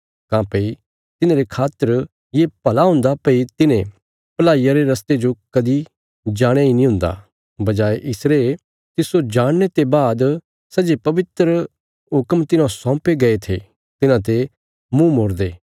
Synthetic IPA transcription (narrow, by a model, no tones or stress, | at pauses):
kãːpɐi | t̪ɪnãɾekʰaːt̪əɾ | jepɐlaɦʊ̃ːnd̪apɐit̪ɪnẽ | pɐlaːijaɾeɾɐst̪ed͡ʒokɐd̪i | d͡ʒaːɽ̃jainĩɦʊ̃ːnd̪a̰ | bɐd͡ʒaːeʔɪsɾeː | t̪ɪsod͡ʒaːɽnet̪ebaːd̪ | sɐd͡ʒepɐʋɪt̪ɾə | ɦʊkəmt̪ɪnãsɔ̃ːpeɡɐet̪ʰe | t̪ɪnãt̪̬e | mũmoːɾd̪eː